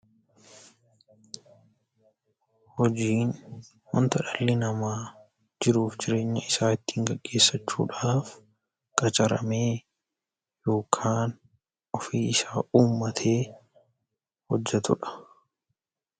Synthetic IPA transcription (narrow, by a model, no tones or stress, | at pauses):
hɔd͡ʒiːn | hɔnt̪ɐᶑɐlːɪnɐmaː | d͡ʒɪɾuːfd͡ʒɪɾe̞ːɲːɐɪsaːɪt̪ːiːŋɡɐɡːe̞ːsːɐt͡ʃːṵːᶑaːf | kʼɐt͡ʃʼɐɾɐ̰meː | jo̞ːkʰaːn | ɔfiːɪsaːʔuːmːɐt̪ʰe̞ː | hɔd͡ʒːɛt̪ʊᶑɐ̥